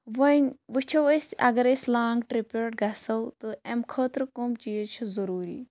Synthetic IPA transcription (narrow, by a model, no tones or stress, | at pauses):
ʋɐnʋɨt͡ʃʰɐwɐsʲɐ̰ɡɐɾeslaːŋɡʈɾipeɾʈ̚ɡɐsɐwt̪ɨɛmkʰəːt̪ɾkomt͡ʃiːt͡ʃʰuzɐɾuːɾḭː